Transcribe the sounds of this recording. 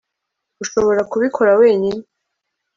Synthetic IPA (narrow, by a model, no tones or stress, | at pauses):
uʃo̞βo̞ɾakuβikʰo̞ɾawe̞ːɲine